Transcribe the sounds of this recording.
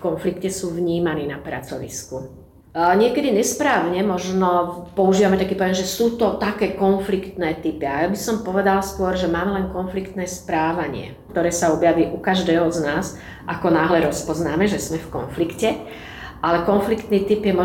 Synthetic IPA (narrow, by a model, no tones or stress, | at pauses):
fkɔnflikcɛsuːʋɲiːmaniːnapɾa̰t͡sɔʋḭsku | ɲɪɛkɛd̪iɲɛspɾaːʊɲɛmɔʒnɔpɔuʒiːʋamɛt̪akiːpɔɔjɛmʒɛsuːt̪ɔt̪akɛːkɔnflikt̪nɛːt̪ipiajabisɔmpɔʋɛd̪alskʊɔɾʒɛmaːmɛlɛnkɔnflikt̪nɛːspɾaːʋaɲɪɛ̰kt̪ɔɾɛːsaɔbjaʋiːʔukaʒd̪ɛːɦɔznaːz | ʔakɔnaːɦlɛɾɔspɔznaːmɛʒɛzmɛfkɔ̰nflikcɛ | ʔalɛkɔnflikt̪niːt̪ipjɛmɔ